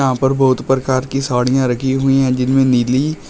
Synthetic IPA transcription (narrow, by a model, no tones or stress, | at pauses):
ɦãpɐɾbɐʊt̪pɾəkaːɾkisaːɽ̃ijãɾɐkʰiɦʊĩɦɛ̃d͡ʒɪnmẽniːli